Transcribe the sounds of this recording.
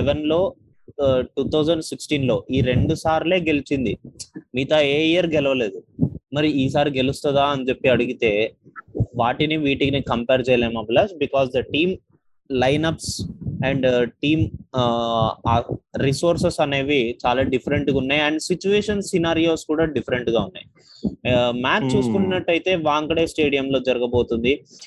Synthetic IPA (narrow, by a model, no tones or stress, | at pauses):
ɛʋɐnlo̞ː | ʈuːt̪ʰɐwzɐɳɖsiksʈiːnlo̞ːʔiːɾe̞ɳɖusaːɾleːɡe̞lit͡ʃind̪imiːt̪ɐeːiɐɾɡɛlɐʋɐle̞ːd̪umɐɾiiːs̬aːɾiɡe̞lust̪ɐd̪aːɐnit͡ʃe̞pːiɐɽuɡit̪e̞ː | ʋaːʈiniʋiːʈiɡnikɐmpeːɾt͡ʃɛːjɐleːmaːblɐsbikɔːsd̪ɐʈiːm | lɐjnɐpsɛɳɖʈiːm | ɾiso̞ːɾsesɐne̞ːʋit͡ʃaːlaːɖipʰɐɾeɳʈɡunːaːjɐɳɖsit͡ʃuʋeːʂɐnsinaːɾijo̞ːskuːɽaːɖipʰɐɾeɳʈɡaːunːa̰ːj | maːt͡ʃt͡ʃuːsu̥kuninɐʈːɐjt̪e̞ːʋaːŋkɐɽe̞ːsʈe̞ːɽijɐmlo̞ːd͡ʒɐɾɐɡɐbo̞ːt̪und̪i